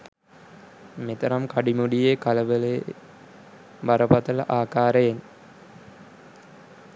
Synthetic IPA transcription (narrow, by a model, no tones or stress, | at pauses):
met̪əɾamkaɖimuɖijekaləʋəle | baɾəpat̪ələ̰ʔaːkaːɾəjen